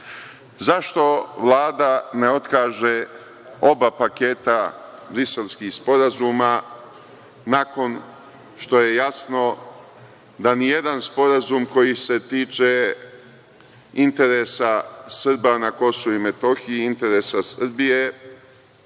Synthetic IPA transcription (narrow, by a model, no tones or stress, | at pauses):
zaʃt̪o̞ʋlˠaːd̪ane̞o̞t̪kaːʒe | o̞bapake̞ːt̪abɾise̞lskixspo̞ɾazuːma | nako̞n | ʃt̪o̞je̞jasno̞ | d̪anijed̪anspo̞ɾazumko̞jise̞t̪iːt͡ʃe̞ | int̪e̞ɾesasr̩banako̞souime̞t̪o̞xiiint̪e̞ɾesasr̩bije̞